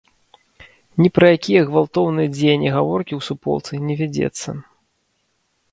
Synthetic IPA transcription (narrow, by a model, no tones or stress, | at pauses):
nʲipɾɐjakʲijɐɣvalˠt̪ɔwnɨjɐd͡zʲejnʲːiɣavɔrkʲiwsupɔ̰lˠt̪sɨnʲɛvʲad͡zʲɛ̰t̪sːɐ̰